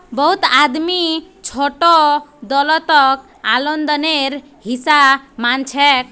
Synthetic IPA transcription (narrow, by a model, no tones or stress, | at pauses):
bɔɦut̪ad̪mit͡ʃʰoʈɔd̪ɔlɔt̪ɔk | alɔnd̪ɔneɾ | ɦisamant͡ʃʰɛk